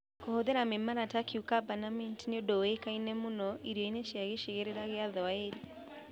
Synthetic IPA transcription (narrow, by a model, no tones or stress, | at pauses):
kohoðeɾamemaɾatakeukabanamɛntineodoekainɛmonɔʔiɾɔineʃjaɣeʃeɣeɾeɾaɣeaðɔaeɾi